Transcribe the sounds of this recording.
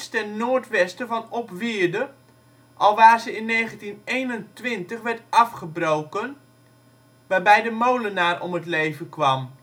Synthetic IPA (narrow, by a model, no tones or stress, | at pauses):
stɛnːoːrtʋɛstəvɑnɔpʋɪərdə | ʔɑlˠʋaːrzəɪnːeːχəntinejnəntʋɪntəχʋɛɹtɑfχəbrowkən | ʋaːrbɛjdəmowlənaːrɔ̰mətlejvənkʋɑm